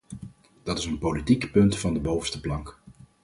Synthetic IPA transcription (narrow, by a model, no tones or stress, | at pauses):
d̥ɑtɪsənpolitikpɵntfɑndəbowvəstəplɑŋk